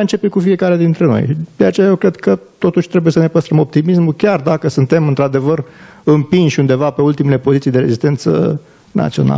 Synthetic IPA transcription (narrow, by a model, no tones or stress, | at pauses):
nt͡ʃe̞pekufie̞kaɾe̞d̪int̪ɾe̞no̞̰jʃid̪̥e̞at͡ʃe̞jaje̞wkɾe̞d̪kət̪o̞t̪uʃʲt̪ɾe̞buje̞səne̞pəst̪ɾəmo̞p̚t̪imismukʲard̪akəsunt̪e̞mɨnt̪ɾad̪e̞vər | ɨmpinʃʲund̪e̞vape̞ult̪ime̞le̞po̞zit̪ijd̪eɾe̞zist̪e̞nt̪sə̰ | na̰t̪sio̞̰na̰lə